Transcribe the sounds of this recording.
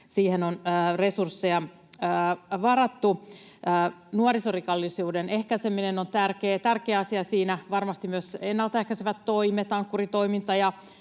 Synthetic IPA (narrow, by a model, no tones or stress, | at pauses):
siːhenonːresursːejɑː | ʋɑrɑt̪ːuː | nuɑrisorikɑlːisuːdene̞hkæsemːinenont̪ærkeːt̪ærkeːɑsiɑsiːnæʋɑrmɑst̪immyøsenːɑlt̪ehkæseʋæt̪ːo̞ijmet̪ɑŋkːurit̪o̞imint̪ɑjɑ